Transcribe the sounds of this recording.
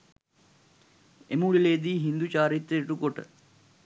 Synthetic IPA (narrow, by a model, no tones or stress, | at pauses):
emuɭileːd̪iːɦind̪ut͡ʃaːɾit̪ɾejʈukoʈə̰